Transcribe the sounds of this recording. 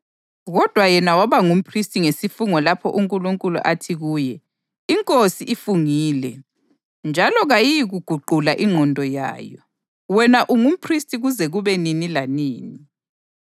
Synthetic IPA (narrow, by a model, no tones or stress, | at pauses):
ɣɔd̥ʱwajɛnawaβaŋum̩pʰristʼiŋesifuŋɔlapʰɔ̰ʔuŋkʼuluŋkʼulṵʔatʰiɣuːjɛ | iŋkʼosiʔifuŋiːlɛ | nd͡ʒʱalɔɣajijiɣuɡ̥ʱuǃulaʔiŋ͡ǃʱɔndʱɔja̰ːjɔ | wɛnaʔuŋum̩pʰristʼiɣuzɛɣuβɛninilaniːni